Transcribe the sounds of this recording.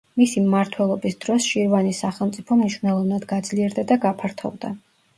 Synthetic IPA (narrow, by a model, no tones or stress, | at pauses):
misimmaɾt̪ʰwɛlˠɔbisd̪ɾɔsʃiɾvanisaχɛlˠmt̪sʼipʰɔmniʃwvnɛlˠɔvnad̪ɡad̪zliɛɾd̪ad̪aɡapʰaɾt̪ʰɔ̰vd̪a̰